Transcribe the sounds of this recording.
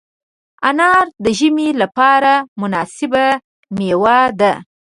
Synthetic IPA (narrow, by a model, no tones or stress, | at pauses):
anɑɾd̪əʒəmelapɑɾamʊnɑsɪba | mewad̪a